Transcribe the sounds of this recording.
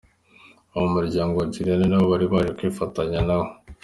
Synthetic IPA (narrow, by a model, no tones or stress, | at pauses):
oβomuɾɟaːŋɡoɟiɾenenaβoβaɾiβaʒekwiːfataɲanaβo